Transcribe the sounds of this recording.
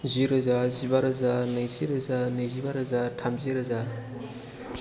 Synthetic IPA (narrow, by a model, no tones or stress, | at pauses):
ziɾɯzazibaɾɯzanɯjziɾɯzanɯjzibaɾɯzatʰamziɾɯza